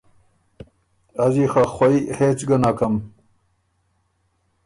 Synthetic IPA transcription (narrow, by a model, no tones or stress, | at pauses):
ɐziːxɐxʷɐiːheːt͡sɡɐnakʰɐm